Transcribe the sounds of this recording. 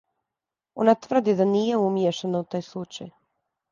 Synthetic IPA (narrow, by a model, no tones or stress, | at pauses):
o̰nat̪vr̩d̪id̪aniːjeumjeʃenaut̪aːjslˠut͡ʃaj